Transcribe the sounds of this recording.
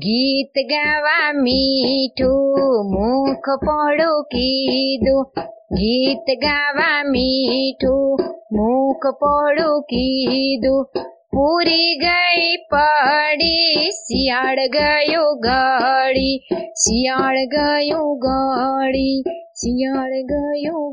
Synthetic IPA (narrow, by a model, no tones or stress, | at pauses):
ɡiːt̪ɡaːʋamiʈʰumukʰpɔɽokid̪uɡiːt̪ɡaːʋamiʈʰumukʰpɔɽokid̪u | puɾiɡəipəɽisiːaɽɡəjoɡaɽit͡ʃijaːɽɡəjũːɡaɽit͡ʃijaːɽɡəjũː